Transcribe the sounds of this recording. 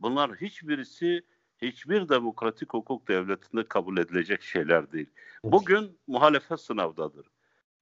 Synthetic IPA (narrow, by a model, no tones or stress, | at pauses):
bunlˠaɾɦit͡ʃbiɾisi | hit͡ʃbiɾd̪emo̞kɾat̪ʰichukʰuk̚d̪ɛvlʲet̪ʰind̪ɛkʰabulʲe̞d̪ilʲe̞d͡ʒɛcʃe̞jlʲæɾd̪ejilʲbuɟynmuɦaːlʲefɛsɯnavd̪ad̪ɯɾ̥